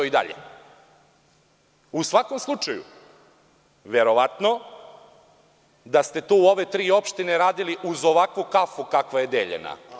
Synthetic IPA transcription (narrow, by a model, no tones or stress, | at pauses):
oid̪a̰ʎḛ | usʋako̞mslˠut͡ʃajṵ | ʋeɾo̞ʋat̪no̞ | d̪ast̪e̞t̪uːo̞ʋe̞t̪ɾiːo̞pʃt̪ineɾaːd̪iliʔuzo̞ʋakʋukafukakʋajed̪ḛʎḛna̰